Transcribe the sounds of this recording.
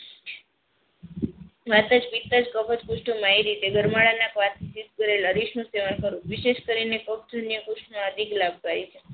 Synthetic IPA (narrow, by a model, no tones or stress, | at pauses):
ʋat̪əd͡ʒpit̪ːad͡ʒkəpʰət̪kuʃʈəmãeɾit̪eɡəɾmaɭanakʋat̪ʰisit̪kəɾeləɾiʃnũseʋankəɾũʋiʃeʃkəɾinekəpd̪ʱənjəkʊʃʈmãəd̪ʱiklab̚ɡaɾit͡ʃʰe